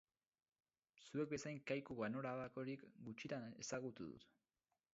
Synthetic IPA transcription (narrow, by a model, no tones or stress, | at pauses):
sue̞k̚be̞sajŋkajkuɣano̞ɾaβako̞ɾikɡut͡ʃit̪ane̞saɣut̪uðṵt̪